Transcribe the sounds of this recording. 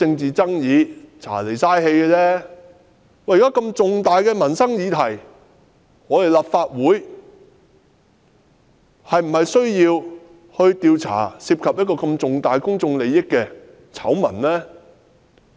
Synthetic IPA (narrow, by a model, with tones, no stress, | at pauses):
ɪ˧ŋt͡siː˨t͡sɐ˥ŋjiː˨˧t͡sʰa̰ː˨˩le˨˩jsaː˥jɦe˧jkɛ˧lɛː˥ | ŋɔː˨˥jːkaː˥kɐ˧mt͡sʊ˨ŋt̪aː˨jkɛː˧mɐ˨˩nsɐ˥ŋjiː˨˧t̪ʰɐ˨˩j | ŋɔː˨˧t̪e˨˩jlaː˨p̚faː˧t̚wuː˨˥j | hɐ˨jm̩˨˩hɐ˨jsɵ˥ɥjiː˧w | hɵ˧ɥt̪iː˧wt͡sʰa̰ː˨˩siː˧p̚kʰɐ˨p̚jɐ˥t̚kɔː˧kɐ˧mt͡sʊ˨ŋt̪aː˨jkʊ˥ŋt͡sʊ˧ŋle˨˧jjɪ˥kːɛː˧ | t͡sʰɐ˨˥wmɐ̰˨˩nlɛː˥